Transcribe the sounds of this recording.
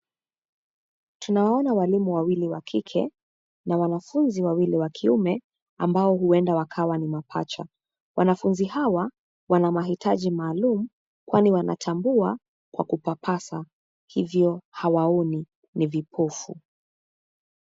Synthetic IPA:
tunawaɔnawalimuwawiliwakʰikʰɛ̰ | nawanafunziwawiliwakʰiumɛ | ambaɔhuɛndawakʰawanimapʰa̰t͡ʃa̰ | wanafunzihawa | wanamaɦitʰaʄimaːlumu | kwaniwana̰tʰambua | kwakupapʰasa | hivjɔhawaɔni | nivipʰɔfṵ

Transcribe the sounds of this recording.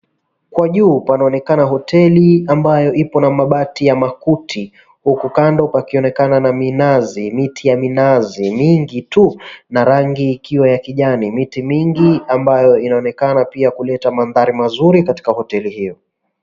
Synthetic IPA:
kwaʄuːpanaɔnɛkanaɦɔtɛliambajɔʔipɔnamaɓatijamakutʰi | hukukandɔpakiɔnɛkananaminazimitʰijaminazimiŋɡitunaɾaŋɡiːkiwajakiʄanimitimiŋɡiambajɔinaɔnɛkanapiakulɛtamanðaɾimazuɾikati̥kahɔtɛlihijɔ

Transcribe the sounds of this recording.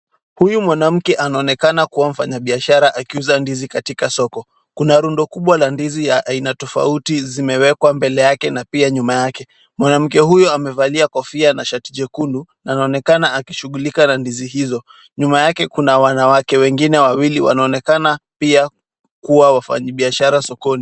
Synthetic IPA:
hujumwanam̩kɛʔanaɔnɛkanakuwam̩fa̰ɲaɓiaʃaɾaʔakiuzandizikatikasɔkɔ | kunaɾundɔkuɓwalandizijaʔainatɔfa̰utizimɛwɛkwambɛlɛjakɛnapiaɲumajakɛ | mwanam̩kɛhujɔamɛvaliakɔfianaʃatiʄɛkundunaːnaɔnɛkanaakiʃuɠulikanandiziɦizɔ | ɲumajakɛkunawanawakɛwɛŋɡinɛwawiliwa̰naɔnɛkanapia | kuwawafa̰ɲaɓiaʃaɾasɔkɔni

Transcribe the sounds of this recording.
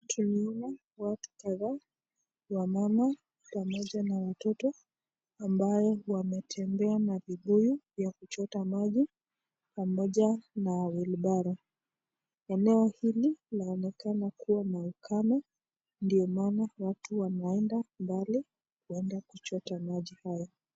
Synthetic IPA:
tʰuniɔa | watu̥kaða | wamama | pamɔʄanawatɔtɔ | ambajɔwamɛtʰɛmbɛanaviɓujivjakut͡ʃɔtamaʄi | pamɔʄanawiliɓaɾa | ɛnɛɔhililaɔnɛkanakuwanaukʰana | ndiɔmaːnawatuwanaɛndambali | kuɛndakut͡ʃɔtamaʄihajɔ

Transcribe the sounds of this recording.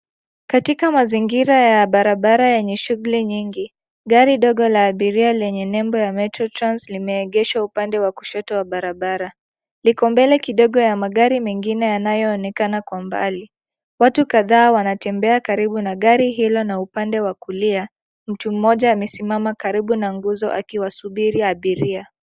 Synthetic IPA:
katikamaziŋɡiɾajaɓaɾaɓaɾajɛɲɛʃuɣuliɲiŋɡi | ɠaɾiɗɔɠɔlaːɓiɾialɛɲɛnɛmbɔjamɛtɾɔtɾanslimɛːɠɛʃaupandɛwaku̥ʃɔtɔwaɓaɾaɓaɾa | likɔmbɛlɛkiɗɔɠɔjamaɠaɾimɛŋɡinɛjanajɔːnɛkanakwamba̰li | watukaðaːwanatɛmbɛakaɾiɓunaɠaɾiɦilɔnaupandɛwakulia | m̩tum̩mːɔʄaːmɛsimamakaɾiɓunaŋɡuzɔ̰ʔa̰kiwasuɓiɾiaɓiɾia

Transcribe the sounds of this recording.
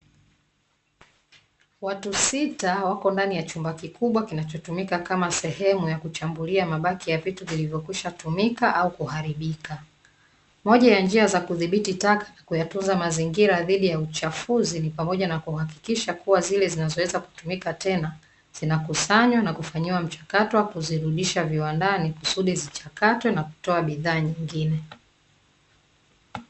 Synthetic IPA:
watusitawakɔndanijat͡ʃumbakikʰuɓwakinat͡ʃɔtumikakamasɛhɛmujakut͡ʃambuliamaɓakijavituvilivjɔkwiʃatumikaʔaukuhaɾiɓika | mɔʄajand͡ʒiazakuðiɓititakḁnakujatunzamaziŋɡiɾaðiɗijaut͡ʃafuzinipamɔʄanakuhaki̥kiʃakuwazilɛzinazɔwɛzaku̥tumikatɛna | z̥inakusaɲwanakufaɲiwam̩t͡ʃḁkatɔwakuziɾuɗiʃaviwandaniku̥suɗizit͡ʃakatwɛnaku̥tɔaɓiðaːɲiŋɡinɛ

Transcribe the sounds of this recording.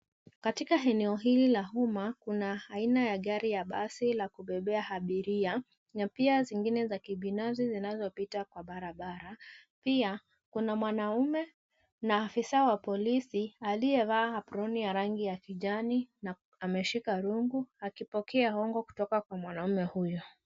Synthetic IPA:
katikaɦɛnɛɔɦililaɦumakunaːinajaɠaɾijaɓasilakuɓɛɓɛahaɓiɾia | napiaziŋɡinɛzakiɓinafsizinazɔpitakwaɓaɾaɓaɾapia | kunamwanaumɛ | naːfisawapɔlisialijɛvaːapuɾɔnijaɾaŋɡijakiʄanina | amɛʃikaɾuŋɡuakipɔkɛahɔŋɡɔku̥tɔkakwamwanaumɛhujɔ

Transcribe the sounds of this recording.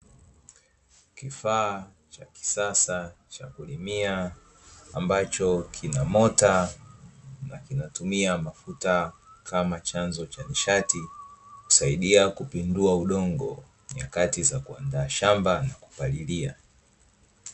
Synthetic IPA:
kifaː | t͡ʃa̰ki̥sasa | t͡ʃakulimiaː | mbat͡ʃɔkʰinamɔta | nakinatumiamafutakʰamat͡ʃanzɔt͡ʃaniʃatiku̥saiɗiakupinduauɗɔŋɡɔ̰ | ɲa̰katizakuandaːʃambanaku̥palilia̰

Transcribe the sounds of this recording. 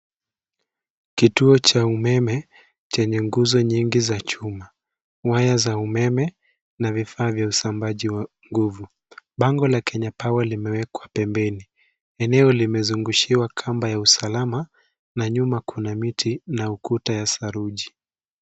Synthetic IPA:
kituɔt͡ʃaumɛmɛ | t͡ʃɛɲɛŋɡuzɔɲiŋɡizat͡ʃuma | wajazaumɛmɛ | navifaːvjausambaʄiwa | ŋɡuvu | ɓaŋɡɔlakʰɛɲapawalimɛwɛkwapɛmbɛni | ɛnɛɔlimɛzuŋɡuʃiwakʰambajausalama | naɲumakʰunamitʰinaukutajasaɾuʄi

